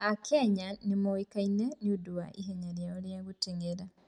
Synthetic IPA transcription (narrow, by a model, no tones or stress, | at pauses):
akʰeɲanimowikaineniuduwa̰ʔiɦeɲaɾjaoljaɣuteŋɡeɾa